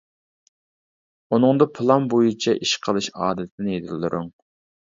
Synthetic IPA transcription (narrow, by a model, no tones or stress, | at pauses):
unɨŋd̪ɑpʰɨlˠɑnbojit͡ʃʰɛʔiʃqʰəlˠɨʃɑ̰ːd̪ɛt̪ʰɪ̥nɪjed̪ʰɪlːɨɾʔʊ̰ŋ